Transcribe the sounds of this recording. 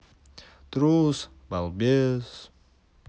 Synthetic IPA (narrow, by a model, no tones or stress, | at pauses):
t̪ɾus | balbes